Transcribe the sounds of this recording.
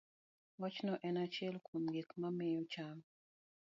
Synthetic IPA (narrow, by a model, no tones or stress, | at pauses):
wat͡ʃnɔʔɛnat͡ʃiɛlkʰomɡekmamɛjɔt͡ʃam